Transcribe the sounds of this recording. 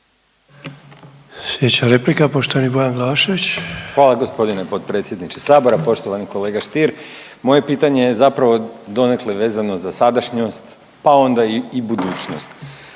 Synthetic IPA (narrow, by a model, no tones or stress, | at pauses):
sjed̪et͡ɕaɾeplikapoʃt̪oʋanibojanɡlaaʃoʋit͡ɕxʋaːlˠaɡo̞spo̞d̪inepo̞t̪̚pɾet̪sʲje̞d̪nit͡ʃesaːbo̞ɾapo̞ʃt̪o̞ʋaniko̞leːɡaʃt̪iɾ | mo̞je̞piːt̪aɲe̞jezapɾaʋo̞d̪o̞nekleʋe̞ːzanozasad̪aʃɲost̪ | pao̞nd̪aiibud̪uːt͡ɕno̞st̪